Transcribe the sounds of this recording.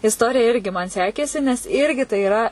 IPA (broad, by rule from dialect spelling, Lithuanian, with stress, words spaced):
ɪsˈtoːrʲɪjɛ ˈɪrʲɡʲɪ mɐn ˈsʲæːkʲeːsʲɪ nʲɛs ˈɪrʲɡʲɪ tɐɪ ɪˈrɐ